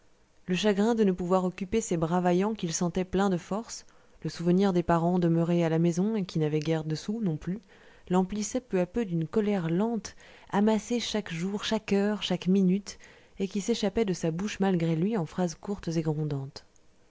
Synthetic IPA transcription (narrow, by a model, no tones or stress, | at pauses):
ləʃaɡʁɛ̃d̪ənəpuvwaʁɔkʲypesebʁavajɑ̃kʲilsɑ̃t̪ɛplɛ̃d̪əfɔʁs | ləsuvəniʁd̪epaʁɑ̃d̪əməʁealamezɔ̃ekʲinavɛɡʲɛʁd̪əsunɔ̃ply | lɑ̃plisɛpøapød̪ynkɔlɛʁlɑ̃t̪ | amaseʃakʒuʁʃakœʁʃakminyt̪ | ekʲiseʃapɛd̪əsabuʃmalɡʁelɥiɑ̃fχazkuʁt̪zeɡʁɔ̃d̪ɑ̃t̪